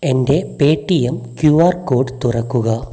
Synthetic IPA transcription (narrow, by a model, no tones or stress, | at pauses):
ende̞peːʈːijɐmkjuːaːrko̞ːɖt̪urɐkːuɣɐ